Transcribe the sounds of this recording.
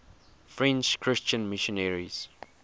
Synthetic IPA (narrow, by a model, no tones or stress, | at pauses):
fɹɛ̃nt͡ʃkʰɹɪst͡ʃə̃nmiʃɔnɛɹiz̥